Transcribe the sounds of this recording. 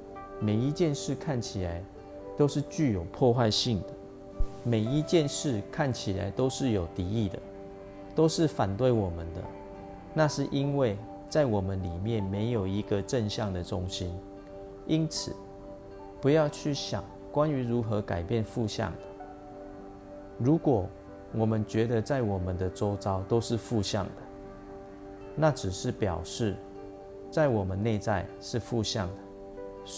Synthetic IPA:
me˨˩ɪi˦˥t͡ɕjɛ˥˨nʂɻ̩˥˨kʰa˥˩nt͡ɕʰi˨˩la˨˦ɪ | t̪o˥ʊʂɻ̩˥˧t͡ɕy˥˩jo˨˩ʊpʰwɔ˥˧xwa˥˧ɪɕi˥˩ŋd̪ə˩ | me˨˩ɪi˦˥t͡ɕjɛ˥˧nʂɻ̩˥˩˨kʰa˥˩nt͡ɕʰi˨˩la̰˨˦ɪt̪o˥ʊʂɻ̩˥˨jo˨˩ʊt̪i˨˥i˥˩d̪ə˩ | t̪o˥ʊʂɻ̩˥˨fa˨˩nt̪we˥˩ɪwɔ˨˩mə˨˦nd̪ə̰˨ | na˥˧ʂɻ̩˥˨ʔi˦nwe˥˨ɪ | t͡sa˥˩ɪwɔ˨˩mə˦nli˨˩mjɛ˥˨nme˧˦ɪjo˨˩ʊi˧˦ɡə˨ʈ͡ʂə˥˧nɕjɑ˥˨ŋd̪ə˨ʈ͡ʂʊ˦ŋɕi˦n | i˦nt͡s̩ʰ˨˩ | pu˨˦jɑ˥˧ʊt͡ɕʰy˥˩ɕjɑ̰˨˩ŋ | kwa˦ny˧˥ɻu˨˦xɤ˧˦ka˨˩ɪpjɛ˥˨nfu˥˧ɕjɑ̰˥˨˩ŋd̪ə˨˩ | ɻu˨˦˥kwɔ˨˩˦ | wɔ˨˩mə˦nt͡ɕɥɛ˨˦˥d̪ə˧t͡sa˥˩ɪwɔ˨˩mə˦nd̪ə˨t͡so˥˦ʊt͡sɑ˦ʊt̪o˥ʊʂɻ̩˥˧fu˥˧ɕjɑ̰˥˨˩ŋd̪̥ə˩ | na˥˨ʈ͡ʂɻ̩˨˩ʂɻ̩˥˩˨pjɑ˨˩ʊʂɻ̩˥˨ | t͡sa˥˩ɪwɔ˨˩mə˨˦nːe˥˧ɪt͡sa˥˧ɪ | ʂɻ̩˥˧fu˥˧ɕjɑ̰˥˨ŋd̪ə˩

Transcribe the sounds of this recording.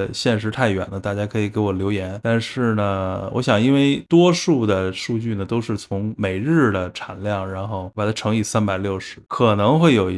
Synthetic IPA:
ɕjɛ˥˩nʂ̬ɻ̩˧˥t̪ʰa˥˩ɪɥɛ̰˨˩nd̪ə˦t̪a˥˩t͡ɕja˥kʰɤ˧˥i˨˩ke˧˥ɪwɔ˨˩ljo˧˥ʊjɛ˧˥nt̪a˥˧nʂɻ̩˥˩nə˩wɔ˧˥ɕjɑ˨˩ŋi˥nwe˥˩ɪt̪wɔ˥ʂu˥˩d̪ə˩ʂu˥˧t͡ɕy˥˩nə˩t̪o˥ʊʂɻ̩˥˩t͡sʰʊ˧˥ŋme˨˩ɪɻɻ̩˥˩d̪ə˩ʈ͡ʂʰa˨˩nljɑ˥˩ŋɻa˧˥nxo˥˩ʊpa˨˩t̪a˧˥ʈ͡ʂʰɤ˧˥ŋi˧˥˩sa˥npa˨˩ɪljo˥˩ʊʂɻ̩˧˥kʰɤ˨˩nɤ˧˥ŋxwe˥˩ɪjo˨˩ʊ

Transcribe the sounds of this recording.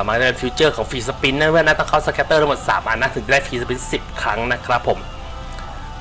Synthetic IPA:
maː˥˩˥pe˧fi˧˦˥t͡ɕəː˥˩kʰɔː˩˦ŋfiː˧s̬a˧pi˧˥nːa˦˥˨m˥˩˨na˦˥t̪ɔ˥˩kʰaː˥˩sa˧kʰɛ˦˥t̪ːɤː˥˩a˥m˨˩t̪sa̰ː˩˦mʔa̰ː˨˧˩nːa˦˥t̪ʰɯ˩˦ŋ˧˩da˥˩fʰiː˧sa˧pi˧nsi˨˩p̚kʰɾa˦˥ŋna˦˥kʰɾa˦˥pʰːo˨˩˦m

